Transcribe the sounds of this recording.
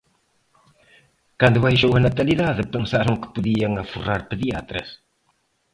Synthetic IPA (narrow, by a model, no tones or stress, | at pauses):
kand̪uvajʒowɐnat̪ɐliðaðɨpəŋsaɾɐwkə̥puðiɐŋɐfṵraɾpəðia̰t̪ɾɐ̰s